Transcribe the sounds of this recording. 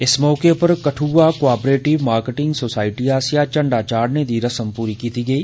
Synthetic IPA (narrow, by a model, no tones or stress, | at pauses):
ɪsmɔːkepɐɾkɐʈʰuakoaːpɾeːʈɪʋmaːɾkeʈɪ̃ŋɡsoːsaːɪʈiaːsijat͡ʃɐ̃ɳɖat͡ʃaːɾned̪iːɾɐsə̃mpuːɾikiːt̪iɡɐiː